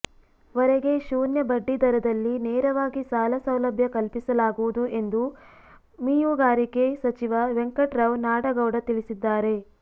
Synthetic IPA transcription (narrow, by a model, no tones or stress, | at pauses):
ʋɐɾeɡe̞ʃuːnjɐbɐɖːid̪ɐɾɐd̪ɐlːinɛːɾɐʋaːɡisaːlɐsɐwlɐbʱjɐkɐlpisɐlaːɡuʋud̪uʔe̞nd̪u | miːjuɡaːɾike̞sɐt͡ʃiʋɐʋeŋkɐʈɾɐwnaːɽɐɡɐwɽɐt̪iɭisid̪ːaːɾe̞